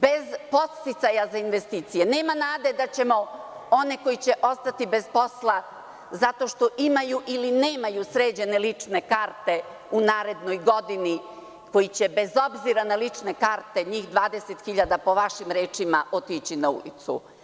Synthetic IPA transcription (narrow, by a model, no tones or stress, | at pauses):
be̞zpo̞t̪st̪it̪sajazainʋe̞st̪iːt̪sijene̞ːmanaːd̪e̞d̪at͡ɕe̞mo̞o̞ne̞ko̞jit͡ɕe̞ʔo̞st̪at̪ibe̞zpo̞slˠa | zat̪o̞ʃt̪o̞ʔimajuʔilineːmajusɾeːd͡ʑe̞ne̞lit͡ʂne̞kaːɾt̪e̞ | unaːɾe̞d̪no̞jɡo̞d̪ini | ko̞jit͡ɕe̞be̞zo̞bziɾanalit͡ʂne̞kaːɾt̪e̞ɲiːxd̪ʋaːd̪eset̪xiʎad̪apo̞ʋaʃimɾeːt͡ʃimaʔo̞t̪it͡ɕinaṵlḭt̪sṵ